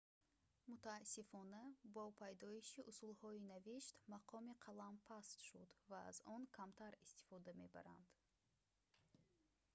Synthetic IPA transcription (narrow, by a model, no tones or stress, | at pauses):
mut̪aːsːifɔnabɔpʰajd̪ɔiʃiʔusulhɔinaviʃt̪maqʰɔmiqʰalampʰast̪ʃud̪va̰ːzɔŋkʰamt̪ʰaɾist̪i̥fɔd̪ame̞ba̰ɾa̰nd̪̥